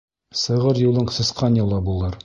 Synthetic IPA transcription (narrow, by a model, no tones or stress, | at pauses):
sɤ̆ʁɤɾjulˠɤɴsɤ̆sqɑnjɑlˠɑbulˠɤɾ